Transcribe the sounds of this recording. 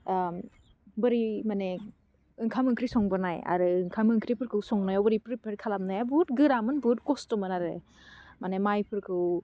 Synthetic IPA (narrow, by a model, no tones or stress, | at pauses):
bɯɾimane | ɯŋkʰamɯŋkʰɾisɔŋbɯnaja̰ɾɯɯŋkʰamɯŋkʰɾipʰɯɾkɯwsɔŋnajɔwbɯɾipɾipʰeɾkʰalamnajabutɡɯɾamɯnbut̚kɔstɔmɯnaɾɯ | manemajpʰɯɾkʰɯw